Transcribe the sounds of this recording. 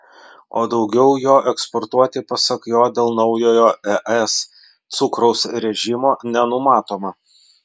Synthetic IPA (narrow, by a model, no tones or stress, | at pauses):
oːd̪ɒʊɡʲɛʊjoːʔɛkspɔɾt̪uɔt̪ʲɪpɐsɐkjoːd̪ʲeːlˠnɒʊjoːjoːɛʔɛs | t̪sʊkɾɐʊsɾʲɛʒʲɪmoːnʲɛnʊmɑːt̪oːmɐ